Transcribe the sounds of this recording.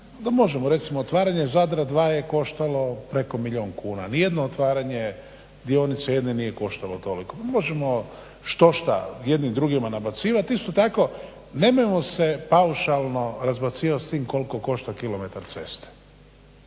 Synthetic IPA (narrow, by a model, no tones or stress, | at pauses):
d̪amo̞ʒemoɾe̞t̪simoːt̪ʋaːɾaɲezad̪ɾad̪ʋaːjeko̞ʃt̪alo̞pɾe̞ko̞miʎo̞ːŋkuːna̰nije̞d̪noot̪ʋaːɾaɲe̞ | d̪io̞nit̪seje̞d̪nenije̞ko̞ʃt̪alo̞t̪o̞likopamo̞ʒemo̞ | ʃt̪o̞ʃt̪a̰jed̪nimd̪ɾuɡimanabat̪siːʋat̪ist̪o̞t̪ako̞ | ne̞mojemo̞sepauʃalˠno̞ɾazbat̪siːʋat̪st̪iːmko̞liko̞ko̞ʃt̪akilome̞t̪aɾt̪se̞st̪e̥